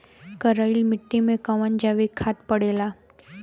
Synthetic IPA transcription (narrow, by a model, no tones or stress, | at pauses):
kəɾailmɪʈːimẽkəʋənd͡ʒaʋikʰat̪pəɽela